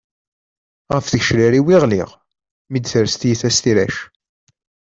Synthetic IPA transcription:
ʁəfθəçʃliɾiwɪʁlḭʁ | mid̪θəɾst̪jiθæst̪iɾæ̰ʃ

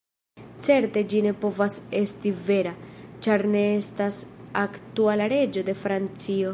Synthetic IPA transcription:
t͡se̞ɾte̞d͡ʒine̞po̞vase̞stive̞ɾat͡ʃaɾne̞estasaktualaɾe̞d͡ʒo̞de̞fɾant͡sio̞

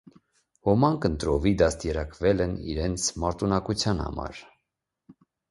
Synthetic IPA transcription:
hɔmɑŋkənt̪ɾɔvid̪ɑst̪jɛɾɑkvɛlɛnḭɾɛnt͡sʰmɑɾt̪unɑkut͡sʰjɑnhɑ̰mɑ̰ɾ

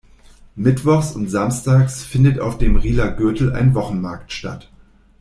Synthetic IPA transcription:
mɪtv̥ɔχsʊntz̥amstaːksfɪndəta̰ʊfd̥eːmʁiːlɐɡʏɐtl̩a̰ɪnvɔχn̩maɐktʃta̰t

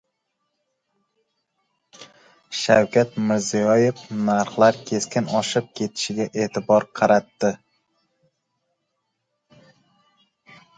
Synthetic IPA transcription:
ʃawkʲat̪mɪɾzijɒjefnaɾχlˠaɾkʲʰe̞skʲɪnɒʃɪp̚kʲʰe̞t̪ʰɪ̥ʃɪɡʲaʔe̞ːt̪ʰɪbɒɾqʰɑɾat̪ːɪ

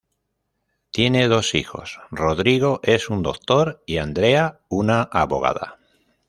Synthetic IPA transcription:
t̪je̞ne̞ð̞o̞sixo̞̰sro̞ðɾiɣ̞o̞ʔe̞sund̪o̞kt̪o̞ɾiand̪ɾe̞aunaʔaβo̞̰ɣ̞a̰ð̞a̰

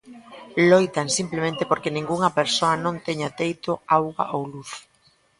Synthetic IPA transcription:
lojt̪aŋsimplemẽnt̪ɪpoɾkenĩŋɡuŋɐpeɾsoɐnõnt̪eɲat̪ejt̪oawɣa̰ʔowluθ

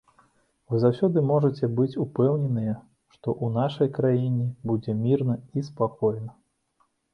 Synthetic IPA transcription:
vɨzawsʲɔd̪ɨmɔʐɐt͡sʲɛbɨt͡sʲupɛwnʲɛnɨjɛ | ʂt̪ɔʔunaʂɐjkɾajinʲɛbud͡zʲɛmʲirnɐispakɔjnɐ

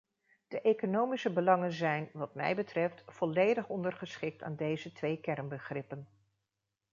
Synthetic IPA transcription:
d̥əʔejkonowmisəbəlɑŋənzɛjnʋɑt̚mɛ̰jbətrɛftfɔlejdəχɔndərχəsχɪk̚tʰa̰ːndejzətʋejkɛrnbəχrɪpən

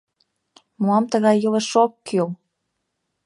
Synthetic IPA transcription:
muɑmt̪əɣɑjːələʃokːøl

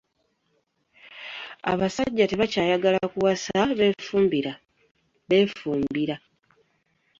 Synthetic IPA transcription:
a̰βasaɟːate̞βacaːjaɡalakuwasaβe̞ːfuːmbiɾa | βe̞ːfuːmbiɾa

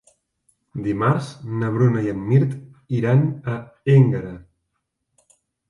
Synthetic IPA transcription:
d̪imaɾznəβ̞ɾunəiənmiɾt̪ | iɾanəeŋɡəɾə

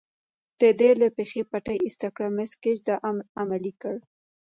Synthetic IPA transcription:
d̪̥əd̪elapexepaʈajist̪akɽamɪskɪd͡ʒd̪aʔamalikəɽ

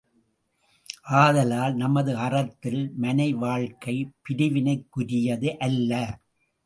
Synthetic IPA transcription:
ʔaːðɐlaːlnɐmɐðɯɐrɐt̪ːɪlmɐnɐɪʋaːɻkɐɪpɪɾɯʋɪnɐɪkːʊɾɪjɐðɯʔɐlːɐ

